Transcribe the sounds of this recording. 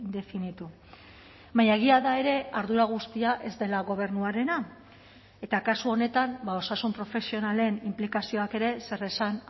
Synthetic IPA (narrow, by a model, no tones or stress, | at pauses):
d̪e̞finit̪u | majaɣ̞iaðae̞ɾe̞aɾðuɾaɣ̞ust̪iaʔe̞zd̪e̞laɣo̞β̞e̞ɾnuaɾe̞na | e̞t̪akasuo̞ne̞t̪ambao̞sasumpɾo̞fe̞sio̞nale̞nimplikasio̞ake̞ɾe̞se̞resan